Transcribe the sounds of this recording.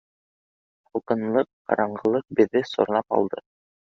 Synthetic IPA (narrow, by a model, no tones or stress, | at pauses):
χuqɤ̆nlˠɤqːɑ̰ɾɑɴɢɤ̆lˠɤq̚bɘ̆ðːɘsŏ̰ɾ̆nɑpɑ̰lˠd̪ɤ